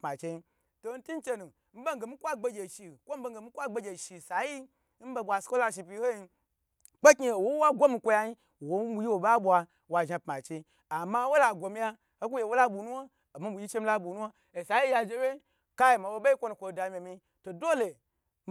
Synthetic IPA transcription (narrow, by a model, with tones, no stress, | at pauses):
pma˨t͡ʃe˧i˦ | to˨˦n̩˦ti˦n˦t͡ʃe˦nu˨ | m̩˦be˦ŋ˦ɡe˨mi˦kʷa˦ɡ͡be˦ɡʲe˨ʃi˨kʷo˦m̩˦be˧ŋ˦ɡe˨mi˦kʷa˦ɡ͡be˧˦ɡʲe˨ʃi˨sa˨ji˦ | m̩˦be˧bʷa˨skʷo˦la˧ʃ̬i˧pʲi˧˦ho˦ji˧ | k͡pe˦ki˦˨wo˦wa˦ɡʷo˦mi˧kʷo˧ja˧ɲi˦˨ | wo˦bu˨ji˦wo˨ba˦bʷa˧ | wa˨ʒa˧pma˨t͡ʃe˧˦ | a˨ma˦wo˦la˨ɡʷo˨mi˦ja˦ | o˦ku˦je˨wo˦la˦bu˨nu˦a˦ | a˨ma˦bu˨ji˦t͡ʃe˦mi˦la˦bu˨nu˦a˦ | e˨sa˨ji˦ja˧d͡ʒe˧˦we˦ | ka˦je˨ma˨bo˧˦be˦i˦kʷo˦nu˨kʷo˨da˨mʲ˨e˨mi˧ | to˨do˦le˨